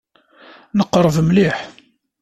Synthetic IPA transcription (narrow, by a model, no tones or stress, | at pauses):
nəqːɾˤəvmliħ